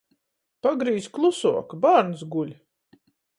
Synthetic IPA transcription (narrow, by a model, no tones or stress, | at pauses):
paɡɾiːzklˠusuɔkbaːɾnsɡulʲ